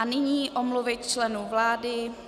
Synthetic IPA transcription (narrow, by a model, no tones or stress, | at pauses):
anɪɲiːʔomluvɪt̪t͡ʃlɛnuvlaːdɪ